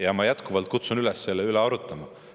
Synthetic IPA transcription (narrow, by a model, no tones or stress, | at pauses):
jɑmɑjæt̪kuvɑlt̪̚kut̪sunylɛsːe̞lːeyleɑɾut̪ːˑɑmɑ